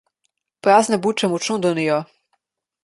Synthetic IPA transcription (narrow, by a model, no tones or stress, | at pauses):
pɾaːznɛbut͡ʃɛmɔt͡ʃnɔ̃d̪ɔnijɔ